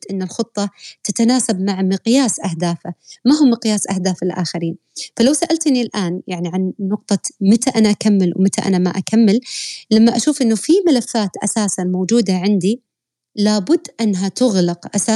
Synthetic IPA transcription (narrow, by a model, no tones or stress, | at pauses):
ʔɪnːɪlxʊt̪ˤːɑt̪at̪anaːsabmaʕmɪqjaːsʔahd̪aːfamaɦʊmːɪqjaːsʔahd̪aːfɪlʔa̰xɪɾiːn | falawsaʔalt̪nilʔaːnjaʕniʕanːʊq̚t̪ˤɑmɪt̪aʔanaʔakamːɪlwmɪt̪aʔa̰nama̰ʔakamːɪllamːaʔaʃuːfʔɪnːʊfimalafːaːt̪ʔa̰saːsanmowd͡ʒuːd̪aʕɪnd̪i | laːbʊd̪ːʔɪnːɦat̪ʊɣlɪqʔasaː